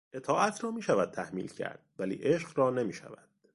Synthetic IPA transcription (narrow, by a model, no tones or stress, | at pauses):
ʔe̞t̪ʰɒːʔæt̪ʰrɒːmiːʃævæd̪̥̚t̪ʰæhmḭːlcʰæ̰ɾd̪̥vælḭːʔeʃɢɾɒːnemiːʃæ̰væd̪̥